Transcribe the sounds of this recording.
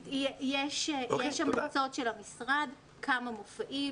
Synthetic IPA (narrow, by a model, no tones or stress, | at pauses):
ejeʃejeʃamʁt͡so̞tʃelhamisʁad | kʰamamofaʔi